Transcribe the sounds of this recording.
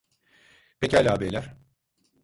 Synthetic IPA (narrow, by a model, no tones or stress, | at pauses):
pʰecalʲaːbelʲæɾ̥